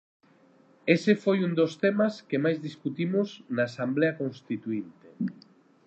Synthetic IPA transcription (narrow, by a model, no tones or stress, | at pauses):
esefojund̪ost̪emaskemajzðiskut̪imoznaːsambleakõnst̪it̪uint̪e